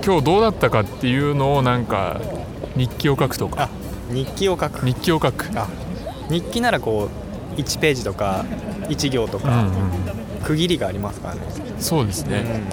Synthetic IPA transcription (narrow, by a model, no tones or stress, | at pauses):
kʲo̞ːd̪o̞ːd̪at̪ːakat̪ːe̞jɯ̟ːno̞ːnãŋka̰ | ɲ̟ikʲːio̞kakɯ̥t̪o̞ka̰a | ɲ̟ikʲːio̞kakɯ̥ɲ̟ikʲːio̞kakɯ̟̥a | ɲ̟ikʲːinaɾako̞ː | it͡ɕi̥pe̞ːʑit̪o̞ka | it͡ɕiɡʲo̞ːt̪o̞kaɯ̟̃ɴɯ̟̃ɴ̃ | kɯ̟ɡʲiɾʲiɡaːɾʲimasɨ̥ka̰ɾa̰nḛ | so̞ːd̪e̞sɨne̞